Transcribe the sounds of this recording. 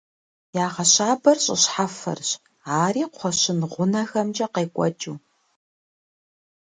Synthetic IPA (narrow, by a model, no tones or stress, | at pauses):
jaːʁɐɕaːbɐrɕʼɪ̰ɕħafɐ̰rɕ | aːriːqʷʰɔʃɕɪnʁʷʊnɐxɐmt͡ʃʼɐqeːkʷʼɔ̰t͡ʃʼuː